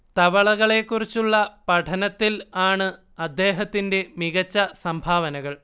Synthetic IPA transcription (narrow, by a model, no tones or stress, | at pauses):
t̪ɐʋɐɭɐɣɐɭe̞kːurit͡ɕːuɭːɐpɐʈʰɐnɐt̪ːilaːɳɨ | ɐd̪ʱːe̞ːɦɐt̪ːinde̞miɣɐt͡ɕːɐsɐmbʱaːʋɐnɐɣɐɭ